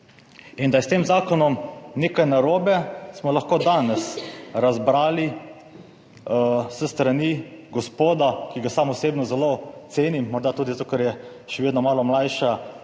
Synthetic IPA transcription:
ind̪ajɛst̪eːmzaːkɔnɔmneːkajnaɾoːbɛsmɔlaxkoːd̪aːnɛsɾazbɾaːli | səst̪ɾaniɡɔspoːd̪akiɡasamɔseːbnɔzɛlot̪seːnimːɔɾd̪at̪uːd̪it̪oːkaɾjɛ | ʃɛʋeːd̪nɔmaːlɔmlajʃa

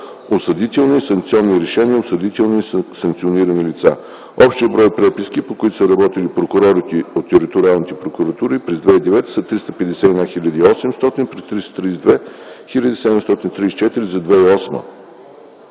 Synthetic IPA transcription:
osɐd̪it̪ɛlˠnisɐŋk̚t̪sʲiɔnːiɾɛʃɛnʲiəosɐd̪it̪ɛlˠnisɐŋk̚t̪sʲioniɾənilit̪sa | ɔpʃt̪iəbɾɔjpɾɛpiskipokʊit̪ʊ̥səɾɐbɔt̪ilipɾokʊɾɔɾit̪iot̪ːɛɾit̪ʊɾʲialˠnit̪ɛpɾokʊɾɐt̪uɾipɾɛzd̪vɛid̪ɛvɛt̪ə̥sɐt̪ɾist̪əpɛd̪ɛsɛid̪axiʎʲəd̪iːɔsɛmst̪ɔt̪inpɾɛst̪ɾist̪t̪ɾisd̪vɛxilʲəd̪isɛd̪ɛmst̪ɔt̪int̪ɾiːst͡ʃɛt̪iɾizɐd̪vɛiɔsmə̰

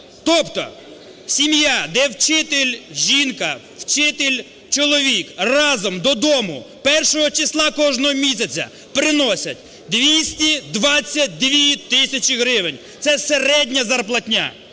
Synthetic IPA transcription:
t̪ɔpt̪ɔ̰ | sʲimjad̪ɛwt͡ʃɪt̪ɪlʲʒʲinkɐ | wt͡ʃɪt̪ɪlʲ | t͡ʃɔlˠɔʋʲikrɑzɔmd̪ɔd̪ɔmʊpɛrʃɔɦɔt͡ʃɪslˠɑkɔʒnɔɦɔmʲisʲɐt͡sʲɐ̰ | pɾɪnɔsʲɐtʲ | d̪ʋʲisʲtʲid̪ʋɑt͡sʲːɐt̚ʲd̪ʋʲit̪ɪsʲɐt͡ʃɪɦɾɪʋenʲ | t̪sɛseɾɛdʲnʲɐzɐrplˠɐtʲnʲa̰

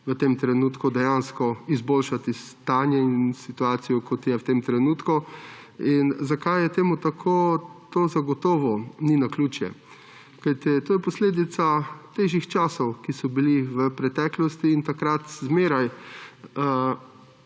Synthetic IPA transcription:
ʋət̪eːmt̪ɾɛnuːt̪kud̪ɛjanskɔizboːlʃat̪ist̪aːnjɛinsit̪uaːsijɔkʰɔt̪jɛwt̪emt̪ɾɛnuːt̪ku | inzakajjɛt̪eːmut̪akʰoːt̪oːzaɡɔt̪ɔːʋɔninakluːt͡ʃjɛ̰ | kajt̪it̪oːjɛpɔsleːd̪it̪sat̪eːʒixt͡ʃaːsɔwkisɔbiliʋəpɾɛt̪ɛːklɔst̪iːnt̪akɾat̪zmeːɾaj

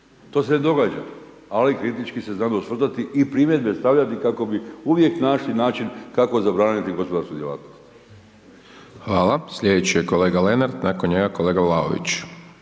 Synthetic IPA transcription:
t̪o̞ːse̞ned̪o̞ɡaːd͡ʒa | alikɾit̪it͡ʃkiseznaːd̪ausʋr̩t̪at̪iʔipɾimjed̪be̞st̪aʋʎat̪ikako̞biuʋje̞knaːʃlinaːt͡ʃinkako̞zabɾaːnit̪iɡo̞spod̪aɾskud̪jelˠa̰ːt̪nost̪ | xʋaːlasʎed̪et͡ɕijeko̞le̞ːɡale̞naɾd̪nakonɲeɡakoleːɡavlˠao̰ʋḭt͡ɕ

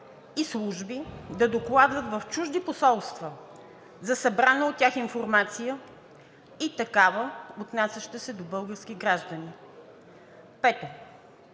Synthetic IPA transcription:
islˠuʒbid̪ɐd̪oklˠad̪vət̪vɐft͡ʃuʒd̪iposɔlˠst̪və | zɐsɐbɾanəot̪̚tʲːaxinfoɾmat̪sijə | it̪ɐkavəot̪nasʲɐʃt̪əsɛd̪obɤlˠɡəɾskiɡɾaʒd̪əni | pɛt̪o

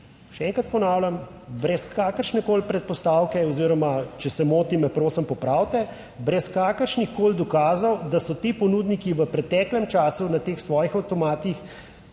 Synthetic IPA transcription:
ʃɛɛːŋkɾat̪̚pɔnaːwlʲam | bɾɛskaːkəɾʃnɛkoːlpɾɛt̪̚pɔst̪aːwkɛɔziːɾɔmat͡ʃɛsɛmoːt̪imɛpɾoːsəmpɔpɾaːwt̪ɛ | bɾɛskaːkəɾʃnixkoːld̪ɔkaːzɐwd̪asɔt̪iːpɔnuːd̪nikiʋəpɾɛt̪ɛːklɛmt͡ʃaːsunat̪eːxsʋɔːjixawt̪ɔmaːt̪ix

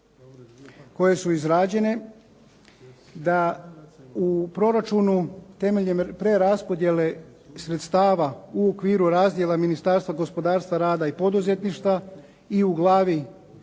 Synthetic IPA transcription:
ko̞je̞suizɾaːd͡ʑe̞ne̞ | d̪a | upɾo̞ɾat͡ʃunut̪e̞me̞ʎempɾe̞ɾaspo̞d̪je̞le̞sɾe̞t̪st̪aːʋauokʋiːɾuɾaːzd̪je̞laminist̪aːɾst̪ʋaɡo̞spo̞d̪aːɾst̪ʋaɾaːd̪aipo̞d̪uze̞t̪niʃt̪ʋa | iuɡlˠaːʋi

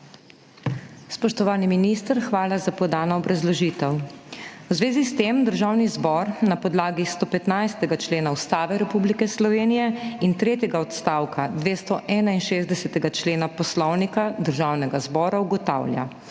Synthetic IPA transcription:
spɔʃt̪ɔʋaːniminist̪əɾxʋaːlazapɔd̪aːnɔɔbɾʔazlɔʒiːt̪ɛw | wzʋeːzist̪emd̪əɾʒaːwnizbɔɾnapɔd̪laːɡist̪ɔːpɛt̪najst̪ɛɡat͡ʃleːnaust̪aːʋɛɾɛpublikɛslɔʋeːnijɛint̪ɾeːt̪jɛɡaɔt̪st̪awkad̪ʋeːst̪ɔʔɛːnainʃeːzd̪ɛsɛt̪ɛɡat͡ʃleːnapɔslɔwnikad̪əɾʒawnɛɡazbɔːɾauɡɔt̪a̰ːwlʲja̰

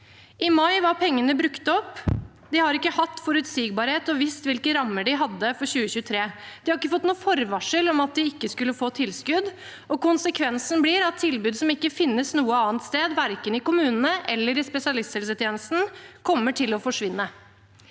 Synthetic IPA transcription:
ʔɪmɑɪʋɑɾpʰɛŋːənəbɾʉkt̪ɔpː | d̪ɪhɑɾɪkːəhɑt̪ːfɔɾʉt̪siːɡ̚bɑːɾheːt̪ɔʋɪst̪ʋɪlkəɾɑmːəɖɪɦɑd̪ːəfɔɾɕʉːəçʉːət̪ʰɾeːd̪̥ɪhɑɾɪkːəfɔt̪ːnuːfɔɾʋɑʂəlɔmɑt̪̚d̪ɪɪkːəskʉlːəfoːt̪ʰɪlskʉd̪ | ɔkʊnsəkʰʋɛnsn̩bliːɾɑt̪ʰːɪlbʉːd̪sɔmɪkːəfɪnːəsnuːəɑːnt̪st̪eːd̪ʋæɾkənɪkʊmʉːnənəʔɛlːəɾɪspɛsɪɑlɪst̪sɛlsət̪ʰjeːnəst̪n̩kʰɔmːəʈʰɪlɔfɔʂʋɪnːə

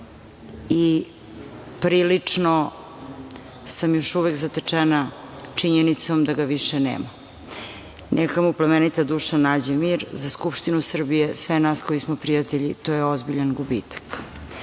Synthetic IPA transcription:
i | pɾiːlit͡ʂno | samjo̞ʃuʋekzat̪et͡ʂɛnat͡ʂiɲenit̪somd̪aɡaʋiʃɛnḛːma | nʔɛkamuplamenit̪ad̪uːʃanaːd͡ʑemiːɾzaskupʃt̪inusr̩bijesʋenasko̞ismopɾijat̪eʎit̪ojeozbiʎanɡubḭːt̪ḁk

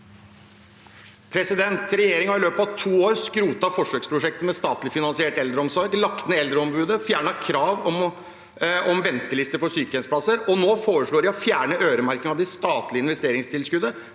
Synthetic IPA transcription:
pʰɾɛsɪd̪ɛnt̪ɾɛjeːɾɪŋhɑɾɪløːpɑt̪ʰuːoːɾskɾuːt̪ɑfɔʂøːkspʰɾʊʂɛk̚t̪əmɛst̪ɑːt̪lɪfɪnɑnsɪeːʈɛld̪ɾəɔmsɔɾlɑkt̪ənəɛld̪ɾəɔmbʉːd̪əfjæːɳɑkʰɾɑːʋɔm | ɔmʋɛnt̪əlɪst̪əɾfɔsyːkəɛnsəpʰlɑsːəɾɔnoːfoːɾəʂɭoːɾɪɔfjæːɳəʔøːɾəmæɾkəŋɑʋd̪ɪst̪ɑːt̪lɪɪnʋɛst̪eːɾɪŋst̪ʰɪlskʉd̪ə

